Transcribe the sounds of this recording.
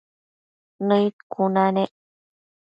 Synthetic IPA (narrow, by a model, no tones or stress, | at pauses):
nəjt̪̚kʰunaneʔ